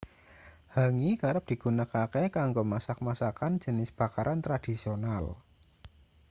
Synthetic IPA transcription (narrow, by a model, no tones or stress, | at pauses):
haŋikaɾəp̚d̥i̤ɡ̥ṳnakakekaŋɡomasak̚masakand͡ʒ̥ə̤nɪsb̥a̤kaɾʔant̪ɾad̥i̤sional